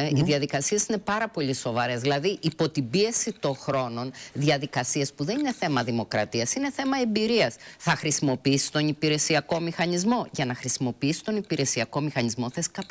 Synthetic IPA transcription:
iðiɐðikɐsie̞sine̞pɐɾɐpo̞ʎiso̞vɐɾe̞zðilɐðiʔipo̞t̪ibie̞sit̪o̞ŋxɾo̞no̞nðiɐðikɐsiespuðe̞nine̞θe̞mɐðimo̞kɾɐ̰t̪iɐsine̞θe̞mɐe̞mbiɾiɐsθɐxɾisimo̞piisi̥st̪o̞nipiɾe̞siɐko̞mixɐnizmo̞ʝɐnɐxɾisimo̞piisi̥t̪o̞nipiɾe̞siɐko̞mixɐnizmo̞θesi̥kɐp

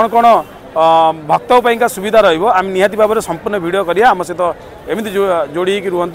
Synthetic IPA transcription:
ɔɽ̃ɔkɔɽ̃ɔ | bʱɔk̚t̪ɔwpaĩŋkasubid̪ʱaɾɔɦibɔaminiɦat̪̬ibʱabɔɾesɔmpuɾnɔbʱiɽijɔkɔɾiaːmɔset̪ɔ | emit̪id͡ʒoɽiekiɾuɔnt̪

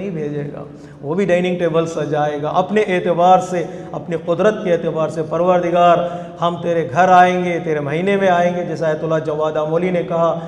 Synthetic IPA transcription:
ɦĩbʱeːd͡ʒeːɡa̰ː | ʋobʱiɖaːɪnɪ̃ŋɡ̚ʈeːbəlsɐd͡ʒaːeːɡaːʔɐpneʔeːt̪ɪbaːɾseɐpniqʊd̪ɾət̪̚keeːt̪ɪbaːɾsepɐɾʋəɾd̪ʱɪɡaːɾ | hɐmt̪eːɾeɡʱɐɾaːẽːŋɡet̪eːɾemɐɦiːnemẽaːẽːŋɡed͡ʒɛːsaet̪ʊlad͡ʒɐʋaːd̪aːmoːlinekɐɦa

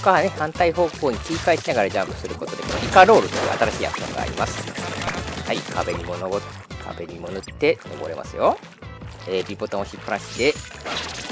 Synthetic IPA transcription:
kane̞hãnt̪aiɦo̞ːko̞ːɲ̟ikʲiikaeɕinaɡaɾad͡ʑãmpɯ̟sɨɾɯko̞t̪o̞d̪e̞koikaɾo̞ːɾɯ̟t̪o̞jɯ̟ːʔa̰t̪aɾaɕḭːa̰kɯ̟̥ɕõ̰ŋɡa̰ːɾʲḭmasɨ̥ | haikʰabe̞ɲ̟imonob | kʰa̰be̞ɲ̟imo̞nɯt̪ːe̞no̞̰bo̞̰ɾe̞mʔa̰sɨjo | eːbʲibo̞t̪amoçipːãɰ̃ɕi̥t̪e̞

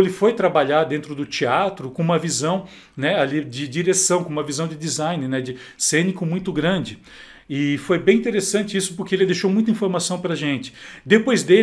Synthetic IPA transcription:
elɪfojt̪ɾabaʎaɾd̪ẽnt̪ɾʊd̪ʊt͡ʃiat̪ɾʊkõũmɐvizɐ̃w̃ | nɛalid͡ʒɪd͡ʒiɾesɐ̃w̃kõũmɐvizɐ̃w̃d͡ʒɪd̪izaj̃nɪnɛd͡ʒɪ | sẽnɪkʊmũj̃t̪ʊɡɾɐ̃nd͡ʒɪ | ɪfojbẽj̃ĩnt̪eɾesɐ̃nt͡ʃɪisʊ̥pʊɾkeelɪd̪ejʃowmũj̃t̪ɐĩfoɾmasɐ̃w̃pɾɐʒẽnt͡ʃɪ̥d̪epojzd̪e

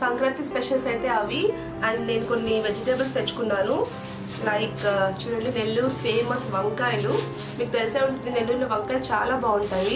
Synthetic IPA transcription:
sɐŋkɾɐt̪ispeʃɐlsɐjt̪e̞ːɐʋi | ɐɳɖne̞ːnuko̞nːiʋed͡ʒiʈebɐlst̪e̞t͡ʃːu̥kunːaːnu | naːikːt͡ʃuːɽɐɳine̞lːuɾpʰe̞ːmɐsʋɐŋkaːjlu | miːkut̪e̞liseːuɳʈund̪ine̞lːuɾluʋɐŋkaːjlt͡ʃaːlaːbaːuɳʈaːji

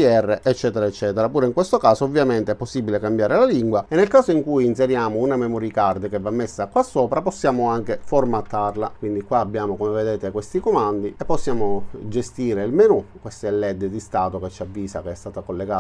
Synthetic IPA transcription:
iɛrːeʔɛt͡ʃːɛːt̪eɾaet͡ʃːɛːt̪eɾapuːɾeiŋkwest̪okaːsoːvːjament̪eɛpːosːibːilekambjaːɾelaliŋɡwaenːelkaːsoiŋkujins̬eɾjaːmounamemɔɾikard̪əkevːamːesːakwasːoːpɾaposːjaːmoaŋk̟eformat̪ːarlakwind̪ikwaːbːjaːmokomeved̪eːt̪ekwest̪ikomand̪iepːosːjaːmod͡ʒest̪iːɾeilmenukwest̪ɛlːɛd̪ːd̪ist̪aːt̪oket͡ʃːiavːiːsakeɛst̪aːt̪akolːeɡa

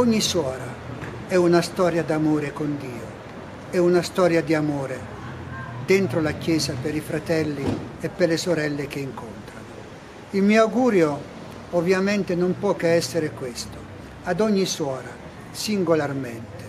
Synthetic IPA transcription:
ɔɲːiswɔːɾa | ɛunast̪ɔːɾjad̪amoːɾekond̪iːo | ɛunast̪ɔːɾjad̪iamoːɾe | d̪ent̪ɾolakjɛːzapeɾifɾat̪ɛlːiepːelesoɾɛlːek̟eiŋkont̪ɾano | ilmiːoawɡuːɾjo | ovːjament̪enompwɔːkeɛsːeɾekwest̪o | ad̪ɔɲːiswɔːɾa | siŋɡolarment̪e̥

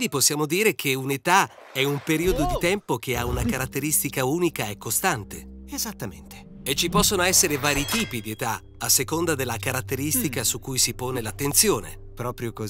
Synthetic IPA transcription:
d̪iposːjaːmod̪iːɾek̟ʰeunet̪a | ɛumpeɾiːod̪od̪it̪ɛmpok̟eaunakaɾat̪ːeɾist̪ikauːnikaekːost̪ant̪e | ezat̪ːamḛnt̪e̥ | et͡ʃipɔsːonoɛsːeɾevaːɾit̪iːpid̪iet̪a | asːekond̪ad̪elːakaɾat̪ːeɾist̪ikasukːujsipoːnelat̪ːent̪sjoːnḛ | pɾɔːpɾjoko

